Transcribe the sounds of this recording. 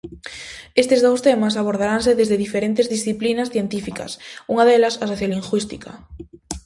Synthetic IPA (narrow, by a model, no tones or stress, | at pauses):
est̪ezðowst̪emɐs̬aβ̞oɾð̞aɾanseðezðeðifeɾent̪ezðisθiplinɐsθjent̪ifikɐ̰suŋɐðelɐsasoθjaliŋɡwist̪ikɐ̰